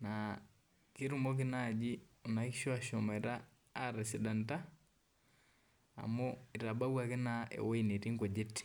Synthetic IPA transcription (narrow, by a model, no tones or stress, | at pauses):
na | kiɾumok̬inaɟionakiʃwaʃomɛɾaː | ɾɛsidanta | moiɾabawakinaḛweineɾiŋɡoɟeti̥